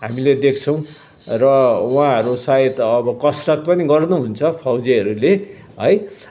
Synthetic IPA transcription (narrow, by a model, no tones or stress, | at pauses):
ɦamiled̪ek̚ʰt͡sʰʌw̃ | rʌwãɦʌɾusaet̪ʌbʌkʌsrʌt̪̚pʌniɡʌrnuɦunt͡sʰʌpʰawd͡ziɦʌɾule | ɦʌj